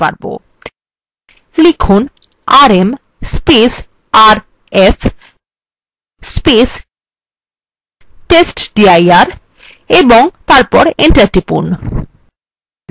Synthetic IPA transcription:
a̰ɾbo̰ | lekʰun | aɾem | spes | aɾ | ef | spes | ʈesʈɖiajaɾ | eboŋt̪aɾpɔɾeɳʈaɾʈipṵn

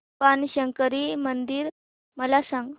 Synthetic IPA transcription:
panɕəŋkəɾimənd̪iːɾ | məlasãŋɡ

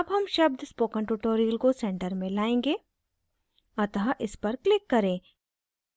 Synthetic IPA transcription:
ɐbɦɐmʃɐb̚d̪spoːkə̃ɳʈuʈoːɾijəlkosɛ̃ɳʈəɾmẽlaːẽːŋɡe | ɐt̪əɦaʔɪspɐɾklɪkːɐɾẽː

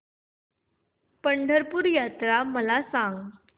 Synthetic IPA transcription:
pəɳɖʱəɾpuːɾjat̪ɾaməlasãŋɡ

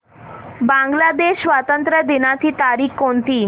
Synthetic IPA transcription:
bãŋɡlad̪eʃʋat̪ənt̪ɾəd̪inat̪ʰiːt̪aɾikːont̪iː

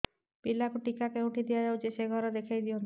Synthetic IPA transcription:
pilakuʈikakeuʈʰid̪ijad͡ʒawt͡ʃiseɡʱɔɾɔd̪ekʰajd̪iɔn

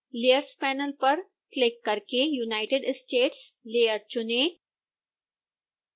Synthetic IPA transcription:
leːəɾspaːnəlpəɾ | klɪkːəɾkejunaɪʈeɖsʈeːʈslejəɾt͡ɕʊne

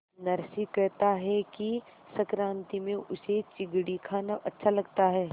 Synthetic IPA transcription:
nɐɾʃikɐɾt̪aɦɛki | sɐkɾãːnt̪imẽʔʊset͡ʃɪɡɽikʰaːnaʔɐtːʃʰalɐɡt̪aɦɛː

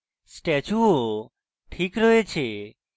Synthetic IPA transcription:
sʈet͡ʃuo | ʈʰikɾəɦet͡ʃʰe

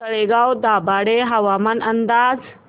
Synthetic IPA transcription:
tɐɽeɡawd̪aːbaːɽeɦɐʋaːmɐnɐnd̪aːz

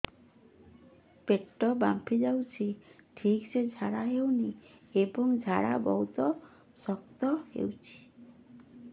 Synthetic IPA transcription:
peʈːɔbampʰid͡ʒawt͡ʃʰiʈʰiksed͡ʒʱaɽaɦewniebɔŋd͡ʒʱaɽabɔ̰ɦut̪ɔ | sɔk̚t̪ɔhḛwt͡ʃʰi̥

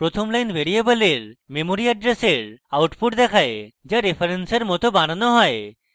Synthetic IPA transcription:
pɾot̪ʰɔmlajnbeɾiebəleɾmemoɾiaɖɾeseɾawʈpʰuʈd̪ɛkʰaed͡ʒaɾipʰaɾenseɾmot̪obananɔɦɔe

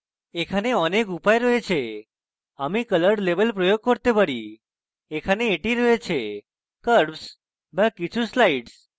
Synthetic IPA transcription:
ekʰaneɔnekupajɾoɦet͡ʃʰe | əmikələɾɖleʋəlpɾəjoɡ̚kəɾt̪ebəɾiː | kʰaneːʈiɾoɦet͡ʃʰe | kəɾps | bãkːit͡ʃʰuslaiɖs

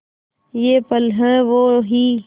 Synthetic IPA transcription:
jeːpəlɦɛ̃ːʋoːɦiː

